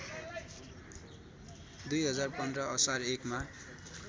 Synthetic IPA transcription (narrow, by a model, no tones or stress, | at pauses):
d̪ujɦʌd͡zarpʌnd̪rʌʌsarekma